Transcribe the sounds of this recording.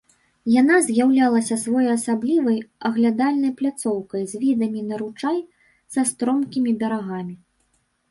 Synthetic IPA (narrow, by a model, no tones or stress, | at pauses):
jan̪azʲjawlʲalˠɐsʲɐsvɔjɐsablʲivɐjɐɣlʲad̪alʲnɐjplʲat̪sɔwkɐjzʲvʲid̪ɐmʲinɐɾut͡ʂaj | sɐst̪ɾɔmkʲimʲibʲaɾaɣamʲi